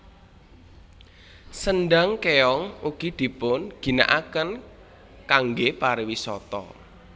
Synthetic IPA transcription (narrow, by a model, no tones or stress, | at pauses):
sənɖaŋkeɔŋuɡ̥i̤d̪̥i̤pʊnɡ̥i̤na̰ʔakən | kaŋɡepaɾiwisɔt̪ɔ̰